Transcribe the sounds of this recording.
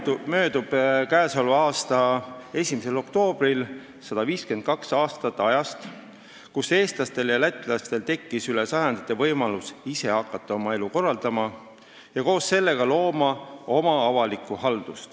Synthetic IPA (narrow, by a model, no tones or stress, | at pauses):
mø̞ːd̪̥ub̥kæːsolɑːst̪ɑe̞sʲimise̞lo̞kt̪o̞ːb̥ril | sɑd̪̥ɑviːskyent̪̚kɑksɑːst̪ɑt̪ːˑɑjɑst̪ | kuse̞ːst̪lɑst̪e̞ljɑlæt̪ːˑilɑst̪e̞lt̪e̞kːisylesɑjɑnd̪̥it̪ːˑe̞vɤjmɑlusise̞hɑkːˑɑt̪ːˑɑo̞mɑe̞luko̞rːɑld̪̥ɑmɑ | jɑko̞ːsːe̞lːe̞ɡ̥ɑlo̞ːmɑo̞mɑɑvɑlikːˑuhɑld̪̥ust̪